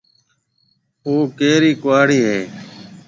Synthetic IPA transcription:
oːkeːɾiːkʊʋaːɽiːɦeː

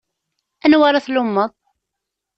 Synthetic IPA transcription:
ænwaɾaθlumːəð

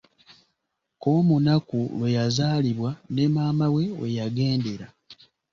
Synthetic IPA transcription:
ko̞ːmunakulwe̞jazaːliβwanemaːmawe̞wḛjaɡe̞ːnde̞ɾa

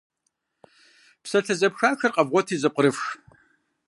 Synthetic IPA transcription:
psɐɬʰɐzɐpxaːxɐrqʼɐvʁʷɔtʰiːzɨqʷəɾɨfx

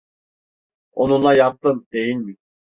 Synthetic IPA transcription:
onunlˠajak̚t̪ːɯnd̪ejinʲmi

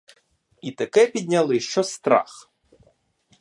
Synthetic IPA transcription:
it̪ɐkɛpʲid̪ʲnʲɐlˠɪʃt͡ʃɔst̪ɾa̰x

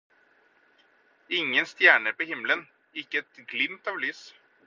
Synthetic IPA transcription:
ɪŋːənst̪jæːɳəɾpoːhɪmlən | ɪkːəɛt̪ɡlɪmt̪ɑːʋlyːs

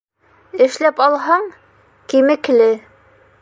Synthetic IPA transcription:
ɘ̆ʃlæpɑlˠɦɑɴ | kimɘ̆klɘ

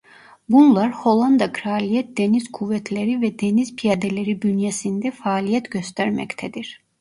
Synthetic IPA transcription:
bunlˠɑɾholˠɑnd̪ɑɡɾaːlijɛt̪̚d̪ɛnizkʰuvɛt̪ʰlɛɾivɛd̪ɛnizpʰijad̪ɛlɛɾibynjɛsind̪ɛfaːlijɛt̪ɟøst̪æɾmɛ̰ct̪ʰɛd̪iɾ̥

